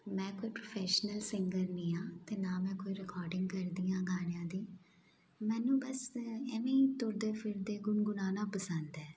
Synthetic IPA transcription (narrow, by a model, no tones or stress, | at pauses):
mɛ̃ːkoːipɾoːpʰɛːʃnəlsɪŋɡəɾnĩːãːt̪eːnaːmɛ̃ːkoːiːɾɪkɔːɾɖɪ̃ŋɡkəɾd̪iːãːɡaːɳ̃ejãːd̪iː | mɛ̃ːnũːbəsɛːʋẽːit̪ʊɾd̪eːpʰɪɾd̪eːɡʊnɡʊnaːnãːpəsənd̪ɛː